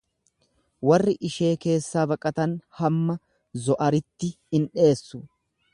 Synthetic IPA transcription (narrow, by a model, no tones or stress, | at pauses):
wɐrːɪʔɪʃe̞ːke̞ːsːaːbɐkʼɐt̪ɐnhɐmːɐ | zɔʔɐɾɪt̪ːɪ | ɪnᶑe̞ːsːʊ